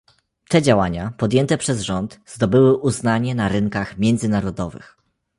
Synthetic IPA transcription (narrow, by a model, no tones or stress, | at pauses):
t̪ɛd͡ʑawaɲapɔd̪jɛnt̪ɛpʂɛzʐɔnt̪z̥d̪ɔbɘwɘʔuznaɲɛnaɾɘŋkaxmʲjɛnd̪zɘnaɾɔd̪ɔvɘ̰x